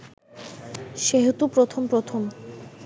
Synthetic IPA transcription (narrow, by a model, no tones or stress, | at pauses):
ʃeɦot̪upɾot̪ʰompɾot̪ʰom